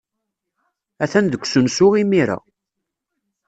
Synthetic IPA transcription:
æθænðəkʷːsənsʊʁimiɾa̰

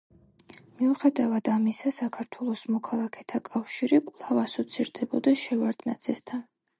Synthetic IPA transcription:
miuχɛd̪avad̪̥amisasakʰaɾt̪ʰwɛlˠɔsmɔkʰalˠakʰɛt̪ʰakʼafʃiɾikʼlˠavasɔt̪sʰiɾd̪ɛbɔd̪aʃɛvaɾd̪̥na̰t̪sʼist̪ʰan

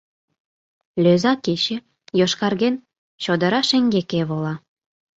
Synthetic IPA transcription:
lʲøzɑket͡ɕĕ | joʃkɑrɣen | ɕod̪ə̆ɾɑʃĕŋɡekeβolɑ

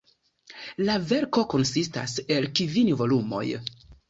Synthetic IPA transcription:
lave̞ɾko̞ko̞nsista̰se̞lkivinvo̞lumo̞̰j

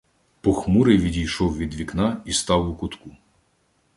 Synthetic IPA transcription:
pɔxmuɾɪʋʲidʲijʃɔwʋʲid̪ʋʲiknɑist̪ɑwʊkʊt̪ku

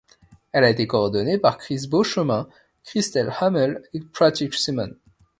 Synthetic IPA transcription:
ɛlaet̪ekoɔʁd̪ɔnepaʁkχisboʃəmɛ̃ | kχist̪ɛlhamɛlepχat̪iksimɔ̃n

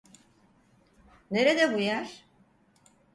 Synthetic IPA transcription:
ne̞ɾed̪ɛbujaɾ̥

